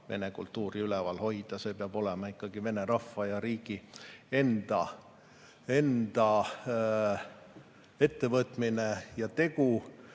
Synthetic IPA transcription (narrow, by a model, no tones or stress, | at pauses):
ve̞̰ne̞kult̪ːˑuːɾiylɛvɑlho̞jd̪̥ɑse̞ːpeɑb̥o̞lɛmɑikːɑɡ̥ive̞ne̞ɾɑfːɑjɑɾiːɡ̥ie̞nd̪̥ɑ | e̞nd̪̥ɑ | e̞t̪ːe̞vɤt̪minejɑt̪e̞ɡ̥u